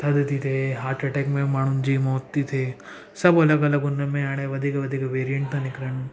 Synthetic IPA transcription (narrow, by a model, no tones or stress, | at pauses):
t̪ʰɐd̪t̪it̪ʰeɦaːʈɾɐʈekmẽmaɳ̃und͡ʒiːmɔːt̪ːit̪ʰe | sɐbolakɐlɐɡunːɐmẽaːɽ̃ẽʋɐd̪ʱikɐʋɐd̪ʱikʋeːɾijeɳʈt̪ɐnikɾɐɳ